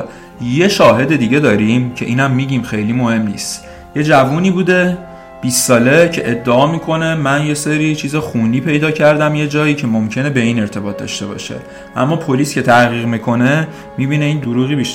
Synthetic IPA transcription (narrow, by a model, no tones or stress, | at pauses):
je̞ʃɒːɦe̞d̪e̞d̪iːɟe̞d̪ɒːɾimcʰe̞ʔiːnæmːiːɟiːmxe̞jliːmohe̞mnḭːst̪ | je̞d͡ʒævuːniːbuːd̪e̞ | b̥isːɒːle̞cʰe̞ʔed̪ːeɒːmiːkʰo̞ne̞mænje̞seɾiːt͡ʃʰiːzɛxuːniːpʰe̞jd̪ɒːcʰæɾd̪æmje̞d͡ʒɒːiːcʰe̞momcʰe̞ne̞be̞iːne̞ɾt̪ʰe̞bɒːt̪̚d̪ɒ̰ʃt̪e̞bɒ̰ːʃḛ | ʔæ̰mːɒːpʰo̞liːskʲcʰe̞t̪ʰæɣiːɣmikʰo̞ne̞ | mibiːne̞iːnd̪oɾuːɣiːbiʃ